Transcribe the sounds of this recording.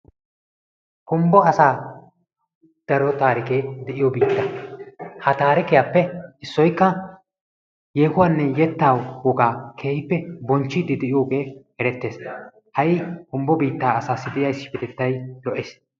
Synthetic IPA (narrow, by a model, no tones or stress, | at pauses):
kʊmbɔɐsaː | d̪̥ɐɾɔt̪aːɾɪkeːd̪ɛʔɪjɔbiːt̪ːɐ | hɐt̪aːɾɪkɪjapːɛɪsːɔjkːɐ | jeːhʊwaːnːɛjɛt̪ːaːwwɔɡaːkʰe̞ːhɪpːɛbɔnt͡ʃːɪd̪ɪd̪ɛʔɪjo̞ːɡe̞ːhɛɾɛt̪ːeːs | hɐjɪkʊmbɔbiːt̪ːaːɐsaːsːɪd̪ɛʔɪjaɪsːɪ̥fɛt̪ɛt̪ːɐjlɔʔeːs